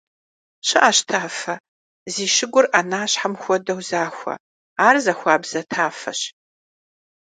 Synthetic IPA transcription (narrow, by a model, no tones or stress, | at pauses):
ɕɨʔaɕtʰaːfɐ | ziːʃɪɡʷʊrʔanaːɕħamxʷɔdɐwzaːxʷɐ̰ | aːrzɐxʷɑːbz̥ɐtʰaːfɐ̰ɕ